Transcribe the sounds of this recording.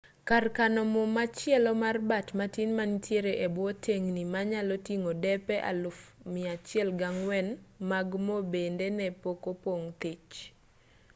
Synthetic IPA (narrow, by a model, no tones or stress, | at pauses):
karkanɔmɔmat͡ʃɪjɛlɔmarbatmatinmanitjeɾeʔebwɔtʰeŋnimaɲalɔtiŋodɛpɛʔa̰lʊfmɪat͡ʃɪɛlɡaŋwɛnmaɡmobendenɛpokopoŋt̪it͡ʃ